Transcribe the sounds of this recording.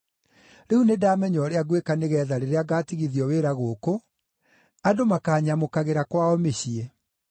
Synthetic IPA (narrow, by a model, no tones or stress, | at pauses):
ɾehunedaːmɛɲɔɾeaɡwekaneɣɛðaɾeɾeaɡaːtiɣiðiɔweɾaɣoːko | adomakaːɲamokaɣeɾakwaɔmeɕiɛ